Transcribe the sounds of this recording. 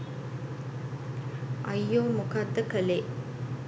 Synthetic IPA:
ɐjːoːmukad̪ːəkəle

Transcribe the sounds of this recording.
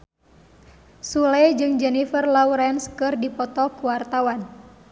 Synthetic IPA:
sulɛjd͡ʒɨŋd͡ʒɛnifərlauɾɛnskɨrdipɔt̪ɔkuwart̪awan

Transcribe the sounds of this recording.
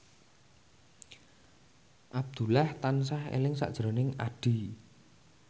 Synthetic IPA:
ʔab̚d̪̥ṳlaht̪ansahḛlɪŋsa̰ʔd̥ʒ̥ɾɔ̤nɪŋa̰ɖ̥i̤

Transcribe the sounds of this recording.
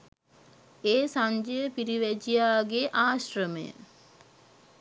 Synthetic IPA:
eːsaɲd͡ʒəjəpiɾiʋæd͡ʒijaːɡeʔaːɕrəməjə̰

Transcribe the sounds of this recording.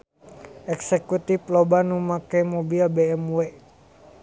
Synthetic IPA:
ɛksɛkut̪iplɔbanumakemobilbɛɛmwɛ

